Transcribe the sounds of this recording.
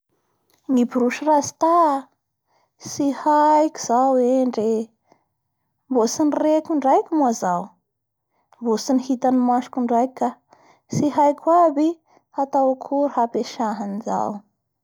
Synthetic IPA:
nibuɾuʃirazi̥t̪a | sihajkʲi̥z̥aweɳɖ͡ʐe | mbosinirekʲuɳɖ͡ʐajkʲumuazaw | mbosinihit̪animaʃu̥kʲuɳɖ͡ʐajkʲa | siɦajkʰʲwabi | hat̪awakʰuɾhapeʃaɦaniza̰w

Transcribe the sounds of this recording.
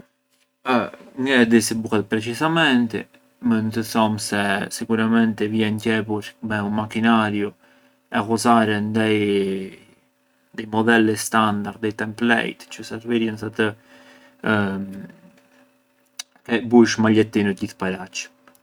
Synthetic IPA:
əŋɡɛd̪ɛsibukad̪pɾɛt͡ʃizamɛnt̪ɛ̰ | mənt̪əθɔmsɛsikuɾamɛnt̪ɛvjɛncɛpuɾmɛunmakinaɾju | ɛɣɔzaɾɛnd̪aj | d̪ajmɔd̪ɛlɛst̪and̪aɾd̪d̪ɛjt̪ɛmplɛ̰jt̪t͡ʃusɛɾvɛɾjəns̬at̪ə | m | kɛbuʃmaʎɛt̪ːinuɟiθpaɾat͡ʃː

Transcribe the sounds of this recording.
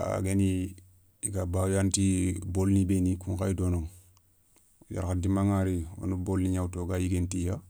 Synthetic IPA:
a̰ɡeni | ikabawjantibolnibenikuŋkaidonoŋ | ja̰ɾkadimaŋaɾio̰nubolniɲawtoɡajiɡentija

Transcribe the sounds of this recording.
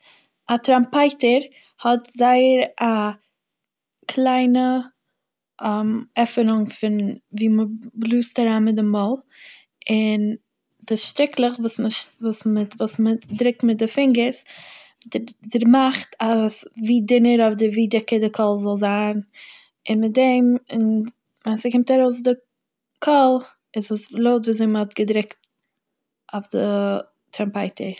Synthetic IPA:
atɾampaɪtəɾ | hɔtzaɪəɾa | kʰlˠaɪnə | amɛfənʊŋfɪnviːməblˠuːstaɾaːnmɪt̚dɪmɔlˠ | ɪn | d̥ɪsʃtɪkʰlˠəχvuːsməvuːsməvuːsmədɾɪk̚mɪt̚dɪfɪŋɡəɾs | dɪdəɾmaχtasviːdɪnəɾɔfdɪviːdɪkədɪkʰɔlˠzɔlˠzaːn | ɪnmɪt̚dɛmɪn | mansəkɪmtaɾoʊs̬dɪ | kʰɔlˠ | ɪzdɔslˠoʊtviːzeɪmhɔtɡədɾɪkt̚ | ɔfdɪ | tɾampaɪtʰə

